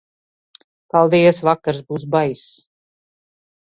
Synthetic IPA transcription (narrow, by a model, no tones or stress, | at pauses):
palˠd̪ijɛsvakːaɾsbuːs̬bajs